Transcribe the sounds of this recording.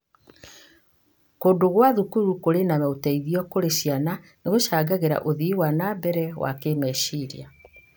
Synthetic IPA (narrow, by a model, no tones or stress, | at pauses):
koːdoɣwaðukuɾukoɾenamɛotɛiðiɔkoɾeɕiananeɣoʃaːɡaɣeɾa̰ʔoðiwanabɛɾɛwa̰kemɛʃiɾḭa